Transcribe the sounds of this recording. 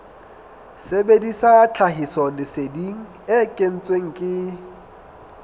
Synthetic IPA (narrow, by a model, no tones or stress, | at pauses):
sebedisat͡ɬʰaɦisɔlɪsediŋ̩ | ɪkʼen̩t͡sʼweŋ̩kʼɪ